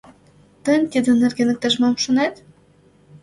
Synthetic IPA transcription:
t̪ə̆nʲt̪id̪ɘ̆nɘ̆rɡʲenɘ̆k̚t̪ɑʒmɑmʃŏnet̪

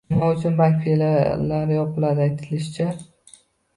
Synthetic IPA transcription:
mɒʊt͡ʃʰʊnbaŋkʲfelalaɾɪjɒpʰɪlad̪ɪajt̪ʰɪlɪʃɪt͡ʃʰa

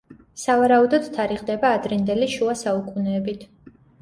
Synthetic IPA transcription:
savaɾaud̪ɔd̪t̪ʰaɾiʁd̪ɛbaːd̪ɾind̪ɛliʃuasaukʼunɛːbit̪ʰ

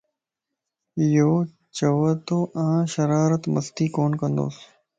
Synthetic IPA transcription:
joː | t͡ʃəʋət̪oːʔãːʃəɾaːɾət̪məst̪iːkoːnkə̃nd̪o̰ːs

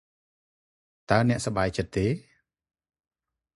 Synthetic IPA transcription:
t̪aənɛ̆əʔsɑɓaːjt͡ɕət̪ːeː

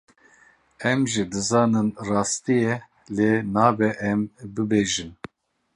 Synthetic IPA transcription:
ɛmʒɨd̪ɨzɑːnɨnrɑːst̪ijɛ | lenɑːbɛʔɛmbɨbeːʒɨn

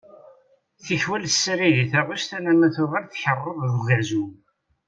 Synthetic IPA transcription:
θiçwælsːɾiðiθæʁʊsθænæmæθʊʁæɾθçərˤːəððvəʕzu

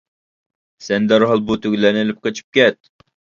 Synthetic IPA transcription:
sɛnd̪ɛɾɦɑlˠbut̪ʰyɡʲlænelɪp̚qət͡ʃʰi̥p̚kʲɛt̪̚

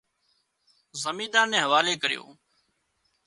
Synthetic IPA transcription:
zəmiːd̪ãːnːɛ̃ːɦəʋaːleːkəɾɪjo̰ː

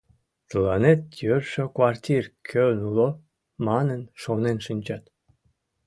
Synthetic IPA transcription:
t̪əlɑnet̪̚jørʃøkwɑrt̪ʲirkʲʰønulo | mɑnənʃonenʃɨnʲt͡ɕɑt̪

